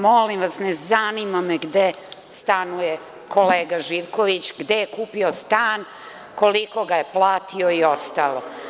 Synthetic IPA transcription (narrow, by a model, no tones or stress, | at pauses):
molimʋasnezanimameɡd̪e | st̪anuje | kʰo̞leːɡaʒiʋko̞ʋit͡ɕɡd̪ejekuːpiost̪aːn | ko̞liko̞ɡajeplˠaːt̪ʰioio̞st̪alo